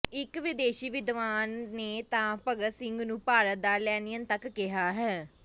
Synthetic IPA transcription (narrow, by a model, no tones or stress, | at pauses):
ɪkʋɪd̪eːʃiːʋɪd̪ʋaːnːeːt̪ãːpəɡəsɪŋɡnũːpaːɾət̪̚d̪aːlɛːnijənt̪əkːɪɦaːɦɛː